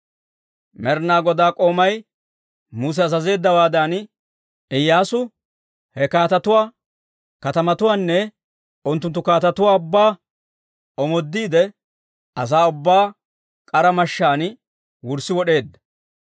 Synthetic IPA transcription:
mɛɾnaːɡɔd̪aːkʼo̞ːmɐj | muːs̬ɛɐzɐze̞ːd̪ːɐwaːd̪an | ɪjːaːsʊ | hɛkaːt̪ɐt̪ʊwaː | kɐt̪ɐmɐt̪ʊwaːnːɛ | ʊnt̪ːʊnt̪ːʊkaːt̪ɐt̪ʊwaːʊbːaː | ɔmɔd̪ːiːd̪ɛ | ʔɐs̬aːʊbːaː | kʼɐɾɐmɐʃːaːn | wʊɾsɪwɔɗe̞ːd̪ːɐ̥

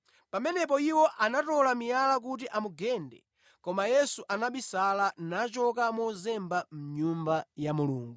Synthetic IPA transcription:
pamɛnɛp̬ɔiwɔʔanatɔlamijalak̬ut̬iʔamuɡɛndɛ̰ | kɔmajɛsuʔanaɓisalanat͡ʃɔkamɔzɛmbam̩ɲumbajamuluːŋɡu

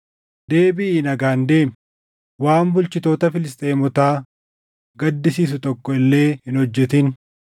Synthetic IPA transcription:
d̪e̞ːbɪiːnɐɡaːnd̪e̞ːm | waːmbʊlt͡ʃɪt̪o̞ːt̪ɐfɪlɪst̪ʼe̞ːmɔt̪aː | ɡɐd̪ːɪsiːs̬ʊt̪ɔkːɔɪlːe̞ːhɪnhɔd͡ʒːɛt̪ɪn

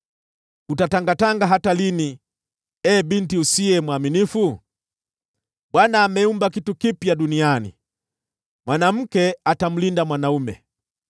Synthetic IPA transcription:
utataŋɡataŋɡaɦatalini | ɛbintiusiɛmwaminifu | bwanaːmɛumbakitukipjadunianḭ | mwanam̩kɛatam̩lindamwanaumɛ̰

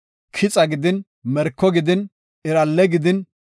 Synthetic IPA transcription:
kʰɪt͡sʼɐɡɪd̪ɪn | mɛɾkːɔɡɪd̪ɪn | ɪɾɐlːɛɡɪd̪ɪn

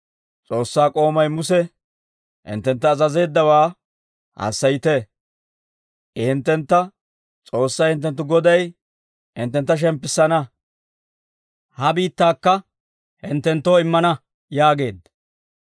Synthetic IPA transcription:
t͡sʼo̞ːsːaːkʼo̞ːmɐjmʊsɛ | hɪ̰nt̪ːɛnt̪ːɐːzɐze̞ːd̪ːɐwaː | hɐ̰sːɐjɪt̪e | ɪhɪnt̪ːɛnt̪ːɐ | t͡sʼo̞ːsːɐjhɪnt̪̬ːɛnt̪̬ːʊɡɔd̪ɐj | hɪ̰nt̪ːɛnt̪ːɐʃ̬ɛmpːɪsːɐnɐ | hɐbiːt̪ːaːkːɐ | hɪnt̪ːɛnt̪ːo̞ːɪmːɐnɐ | jaːɡe̞ːd̪ɐ

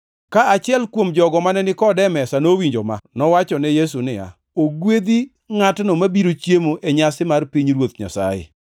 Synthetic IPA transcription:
kaat͡ʃɪɛlkwomd͡ʒɔɡɔmanɛnɪkɔdɛmɛsanowiɲd͡ʒɔma̰nɔwat͡ʃɔnɛjes̬unɪja̰ | oɡwed̪i | ŋatnɔmabiɾot͡ʃjemoʔeɲasɪmarpiɲɾwot̪ɲa̰sa̰jɪ̰

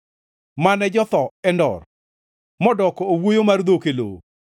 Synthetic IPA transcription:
manɛd͡ʒɔt̪ɔɛndɔ̰r | mɔdɔkɔowojomard̪okelo̰

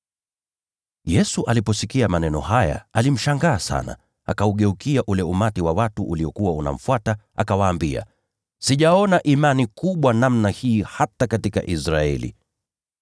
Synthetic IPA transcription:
jɛsuʔalipɔsikiamanɛnɔ̰haja̰alim̩ʃaŋɡaːsa̰na̰ | a̰kauɠɛukiaʔulɛumatiwawatuʔuliɔkuwauna̰m̩fwata | a̰kawaːmbia̰ | siʄaɔnaʔimanikuɓwanamnahiːhatakatika̰ʔisɾaɛ̰lḭ

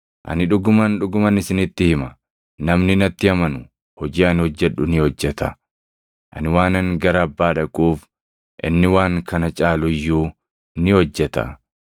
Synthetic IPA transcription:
ʔɐ̰nɪᶑʊɡʊmɐnᶑʊɡʊmɐnɪsɪnɪt̪ːɪhɪmɐ | nɐmnɪnɐt̪ːɪɐmɐnʊ | hɔd͡ʒiːɐnhɔd͡ʒːɛᶑʊnɪhɔd͡ʒːɛt̪ɐ | ʔɐ̰nɪwaːnɐŋɡɐɾɐːbːaːᶑɐkʼuːf | ʔɪ̰nːɪwaːŋkɐnɐt͡ʃʼaːlʊjːuː | nɪhɔd͡ʒːɛt̪ɐ̰

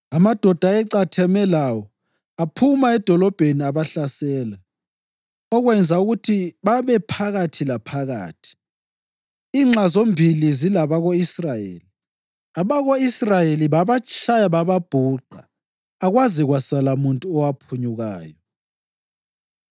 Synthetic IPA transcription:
amad̥ʱɔd̥ʱaɛǀatʰɛmɛlawɔ | apʰumaɛd̥ʱɔlɔb̥ʱeniaβaɬasɛːla | ɔɣwɛnd͡zʱauɣutʰiβaβɛpʰaɣatʰilapʰaɣa̰ːtʰi̥ | iːŋ͡ǁazombʱilizilaβaɣoisrajḛːli | aβaɣoisrajeliβaβat͡ʃʰʼajaβaβab̥ʱuǃʱaː | ɣwaziɣwasalamuntʼuɔwapʰuɲuɣa̰ːjɔ

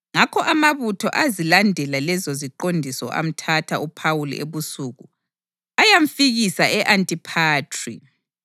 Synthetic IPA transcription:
ŋakʰɔʔamaβutʰɔ̰ʔazilandʱɛlalɛzɔziǃondʱisɔ̰ʔa̰m̩tʰatʰaupʰawul̰ḛβusuːɣu | ajaɱ̩fiɣisaʔɛʔantʼipʰaːtʰri

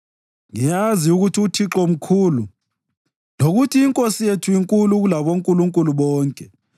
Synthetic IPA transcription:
ŋijaziuɣutʰiutʰiǁɔm̩kʰuːlu | loɣutʰiːŋkʼosijetʰuiŋkʼuluɣulaβoŋkʼuluŋkʼuluβɔːŋkʼɛ

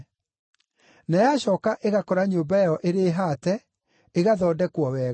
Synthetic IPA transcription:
najaɕɔːkaʔeɣakɔɾaɲoːmbaɔʔeɾeːɦatɛ | eɣaðɔːdɛkwɔwɛː

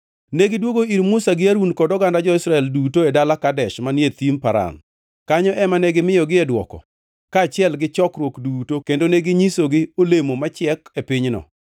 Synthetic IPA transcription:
neɡɪdwoɡoiɾmʊsaɡɪaɾunkɔdɔɡandad͡ʒɔɪsɾaɛldutoedalakadɛʃmanjet̪impaɾa̰n | kaɲɔʔɛmanɛɡɪmɪjɔɡɪɛdwɔ̰kɔ̰ | kaːt͡ʃɪɛlɡɪt͡ʃɔkɾwokdutokendoneɡɪɲisoɡɪolemomat͡ʃɪɛkepɪɲnɔ̰

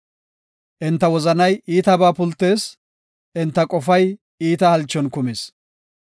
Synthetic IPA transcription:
ʔɪnt̪ːɐwɔzɐnɐjiːt̪ɐbaːpʊlt̪ːe̞ːs | ʔɪnt̪ːɐkʼɔfɐj | iːt̪ɐhɐlt͡ʃːɔnkʊmeːs

